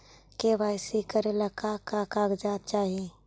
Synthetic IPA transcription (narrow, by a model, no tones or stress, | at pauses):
kebaɪsikəɾeləkakakaɡd͡ʒat̪̚t͡ʃaːɦi